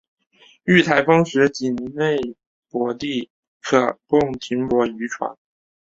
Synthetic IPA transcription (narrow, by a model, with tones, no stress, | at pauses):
y˥˩t̪ʰa˧˥ɪfɑ˥ŋʂɻ̩˧˥t͡ɕi˨˩nne˥˩ɪ | pwɔ˧˥t̪i˥˩ | kʰɤ˨˩kʊ˥˩ŋt̪ʰi˧˥ŋpwɔ˧˥y˧˥ʈ͡ʂʰwa̰˧˥n